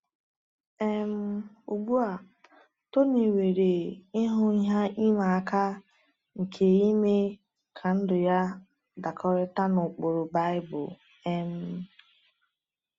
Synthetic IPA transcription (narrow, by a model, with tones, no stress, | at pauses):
e˦m̩˦ | ṵ˨ɡ͡bu˦a˨ | to˦ni˨we˨ɾe˨ɪ˦ɦʊ˦i˦ɦa˦i˦ma˨a˨ka˦ | ŋ̩˨kʰe˨i˦me˦ | kʰa˨n̩˦dʊ˨ja˦ | da˨kʰɔ˦ɾɪ˦ta˦nʊ˨k͡po˨ɾo˨ba˦ɪ˦bʊ̰˨ | e˦m̩˦